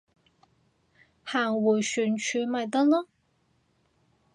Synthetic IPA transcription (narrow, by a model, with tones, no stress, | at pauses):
haː˨˩ŋwu˨˩jsyː˨˩nt͡ʃʰyː˧mɐ˨˩jt̪ɐ˥k̚lɔ˥